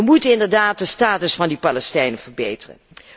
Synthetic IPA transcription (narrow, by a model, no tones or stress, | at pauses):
əmutənɪndəɹdaːt̚dəstaːtəsfɑndipɑlɛstɛjnəvəɹbejtərə̰n